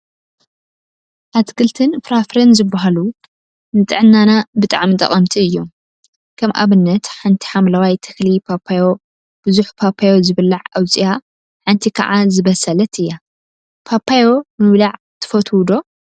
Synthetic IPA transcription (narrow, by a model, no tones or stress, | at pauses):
ʔat̪kʰɨlt̪ʰɨnfɾafɾenzɨbːaɦalu | nɨt̪ʼɨ̰ʕɨnːanabɨt̪ʼaʕmit̪ʼɐ̰χʼɐmt̪ʰiɨjːom | kʰɐmʔa̰βɨnːɐt̪ħant̪ʰi̥ħamlawajt̪ʰɨklipʰapʰːajo̞ | b̥ɨzuħpʰapʰajozɨβɨlːaʕɐwt͡sʼija | ħant̪ʰikʰɐ̰ʕazɨβɐsɐlɐt̪ɨjːa | pʰapʰːajo̞bɨmɨβlaʕ | t̪ʰɨ̥fɐt̪ʰwd̪o̞